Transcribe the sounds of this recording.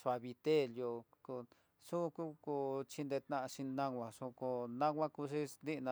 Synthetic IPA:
ʂʷa˧βi˧t̪e˦˨ljo˧ko˧ | su˦˧ku˦ko˧t͡ʃi˧nd̪e˧t̪nã˧ʃĩ˧nã˧ɡʷã˧ʂu˧ko˧nã˦ɡʷã˦ku˧ʂi˦nd̪i˦˧nã˧

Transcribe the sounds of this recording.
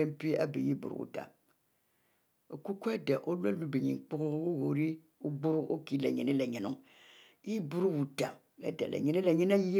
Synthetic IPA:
e˦m̩˦pi˦a˦bi˨ji˦bṵ˨ɾṵ˨ṵ˨ta̰˨ | o˨ku˦ko˦e˦da˨ʔo˦le˦lu˦bi˨ɲḭ˨k͡pu˦ɣo˦u˦ɣo˨ɾi˦ | u˦ɡ͡bu˦ɾu˦ʔo˦ki˦lɛ˨ɲe˨ne˦lɛ˨ɲe˨nṵ˦ŋ˦ | ji˦bu˦ɾu˦wu˨ta˨ | lɛ̰˦˨da̰˨lḛ˨ɲe˨ni˦la˨ɲi˦n˦a˦ji˦

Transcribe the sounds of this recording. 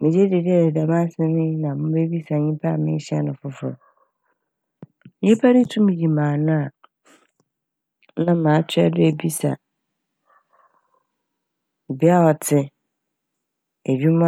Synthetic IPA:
mɪ̃˨d͡ʑe˦de˨di˦ɛ˨dɛ˨da˨mã˦sɛ˦mɪ̃˦nã˨mʊ̃˦be˦bi˦sa˨ɲĩ˦pʰa˦˨mɪ̃˦ɕi˦a̰˨nʊ̃˨fʊ˦fʊ˨ɾ | e˦pʰa˦ɾi˦tʰũ˦mĩ˨d͡ʑi˨mãː˨nʊ̃˦a˨ | nã˦mãː˨˦tʰɪ˦a̰˨dʊ˦e˨bi˦sa̰˨ | bɪ˦a˦ɔ˨tʰɪ˦ | e˨d͡ʑᶣi˦mã˦

